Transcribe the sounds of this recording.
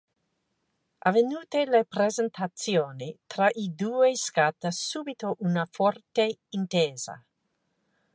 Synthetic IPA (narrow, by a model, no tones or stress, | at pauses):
ʔavenuːt̪elepɾezent̪ʰat̪sjoːnit̪ɾaʔid̪uːeskat̪ːasuːbit̪oʔunafɔrt̪eint̪eːza̰